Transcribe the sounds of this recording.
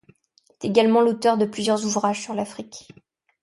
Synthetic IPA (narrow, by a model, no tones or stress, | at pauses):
ɛt̪eɡalmɑ̃lot̪œʁd̪əplyzjœʁzuvʁaʒsyʁlafχikʲ